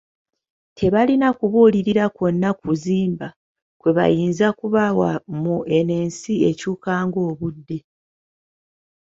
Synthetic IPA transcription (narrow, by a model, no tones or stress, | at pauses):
tʰe̞βalinakuβuːliɾiɾako̞nːakuziːmba | kwe̞βa̰jiːnzakuβawamuʔe̞ne̞ːnsie̞cuːkaːŋɡo̞ːβudːe̞